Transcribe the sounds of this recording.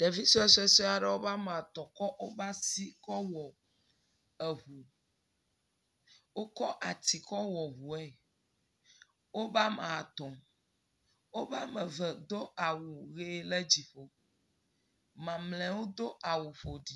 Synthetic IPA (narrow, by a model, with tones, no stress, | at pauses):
ɖ̥e˨vi˦sɔ˦ɛ˦sɔ˦ɛ˦sɔ˦a˨ɖɛ˦wo˦ba˦mã˨t̪ɔ˨kɔ˦ʔo˦ba˦si˦kɔ˦wɔ˨ | ɛ˨ɦu˨ | wo˦kɔ˦ʔa˨t̪i˨kɔ˦wɔ˨ɦu˨ɛ˦˨ | wo˦ba˦mã˨a˨t̪ɔ̃˨m | wo˦ba˦mɛ˨və˨d̪o˦a˨wu˨ɣe˦lɛ˦d͡ʑi˨ɸo˦ | mã˨mlɛ̃˨wo˦d̪o˦ʔa˨wu˨ɸo˨ɖi˨